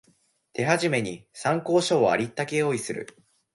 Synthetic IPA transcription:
t̪e̞ɦaʑime̞ɲ̟isãŋko̞ːɕoːa̰ɾʲit̪ːake̞o̞ːisɨɾɯ̟̰

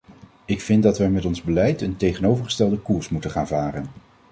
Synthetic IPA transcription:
ɪkfɪndɑtʋəmɛtɔnzbəlɛjtəntejχənowvəɹχə̥stɛlˠdəkuːɹsmutəχaːnvaːrən

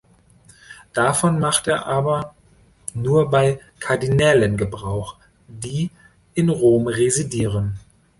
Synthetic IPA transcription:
d̥afɔnmaχteːɐʔaːbɐ | nuːɐbaɪkʰaɐdinɛlənɡəbʁaʊx | diː | ʔɪnʁoːmʁezidiːʁən

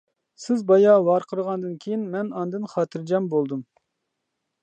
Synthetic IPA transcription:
sɪzbɑjɑvɑɾqʰəɾʁɑnd̪ɨnkʲʰejinmɛnɑnd̪ɨnχɑːt̪ʰɨɾd͡ʒɛmbolˠd̪ɨm

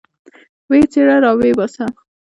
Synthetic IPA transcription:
wet͡seɽaɾɑwebɑsa

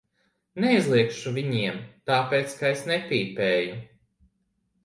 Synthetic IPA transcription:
neizlˠiɛkʃuviɲiɛmt̪aːpeːt̪skaesnepʲiːpeːju

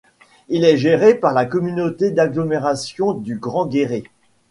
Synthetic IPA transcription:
ilɛʒeʁepaʁlakɔmynot̪ed̪aɡlɔmeʁasjɔ̃d̪yɡʁɑ̃ɡʲeʁe

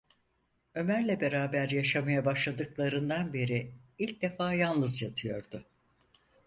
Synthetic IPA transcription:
ø̞mæɾlʲɛbe̞ɾaːbæɾjaʃamajabaʃlˠad̪ɯklˠaɾɯnd̪anbeɾiilʲc̚d̪e̞faːjanˠlˠɯzjat̪ʰɯjo̞ɾd̪̥ʊ

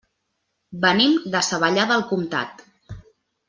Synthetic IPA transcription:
bənimd̪əsəβəʎaðəlˠkumt̪a̰t̪

